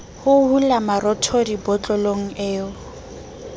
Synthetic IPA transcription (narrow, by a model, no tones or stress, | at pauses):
hʊhulamaɾɔtʰɔdibɔt͡ɬʼɔloŋ̩eːʊ